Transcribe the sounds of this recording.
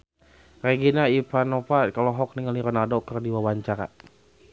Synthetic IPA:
reɡinaipanɔpakalɔɦɔk̚niŋaliɾɔnadɔkərdiwawaɲt͡ʃaɾa̰

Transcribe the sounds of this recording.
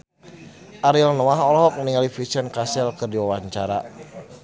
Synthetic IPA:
ʔaɾilnɔaɦɔlɔɦɔk̚məniŋalifisənkasɛlkərdiwawaɲt͡ʃaɾa

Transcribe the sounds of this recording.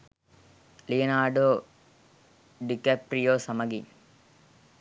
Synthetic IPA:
lijɐnaːɖoː | ɖikepɾijoːsɐmɐɡḭn

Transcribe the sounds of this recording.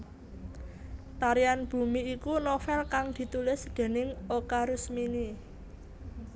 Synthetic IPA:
t̪aɾianb̥ṳmiːkunofɛlkaŋd̪̥i̤t̪ulɪsd̪̥e̤nɪŋokaɾʊsmini

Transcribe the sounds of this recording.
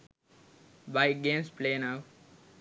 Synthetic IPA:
baɪɡẽːmspleːnap

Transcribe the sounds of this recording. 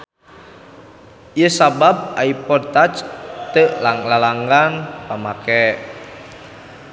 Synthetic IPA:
jəsabab̚aipɔd̚t̪at͡ʃt̪əʔlalaŋɡanpamakɛʔ

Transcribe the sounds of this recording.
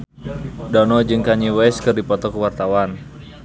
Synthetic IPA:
dɔnɔd͡ʒɨŋkaɲiwɛskɨrdipɔt̪ɔkuwart̪awan

